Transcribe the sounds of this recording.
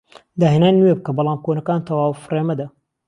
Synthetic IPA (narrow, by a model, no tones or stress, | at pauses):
d̪aːɦeːnaːnuwebkɐbɑlˠaːmkoːnɐkaːnt̪ʰɐwaːwfreːmɐd̪ɐ